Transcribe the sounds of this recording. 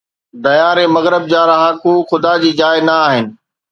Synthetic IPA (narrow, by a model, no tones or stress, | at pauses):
d̪ɐjaːɾẽmɐɣɾɪb̚d͡ʑaːɾɐɦakuːxʊd̪ad͡ʑiːd͡ʑaːɪnɐaːɦɪnɪ̆